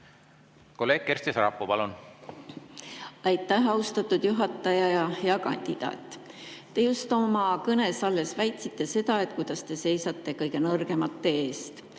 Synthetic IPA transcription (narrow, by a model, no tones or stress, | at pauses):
ko̞lːe̞ːɡ̥̚kːeɾrsʲt̪isɾɑpːˑopɑlun | ɑjt̪ːˑæhɑust̪ɑt̪ːˑud̪̥juɦɑt̪ːˑɑjɑjɑjɑkɑ̰nʲd̪̥id̪̥ɑ̰ːt̪ːˑ | t̪ːe̞just̪ˑo̞mɑkɤne̞sɑlːe̞svæjt̪sit̪ːe̞se̞d̪̥ɑe̞t̪̚kujd̪̥ɑst̪e̞se̞jsɑt̪ːˑe̞kɤjɡ̥e̞nɤrɡ̥e̞mɑt̪ːe̞eːst̪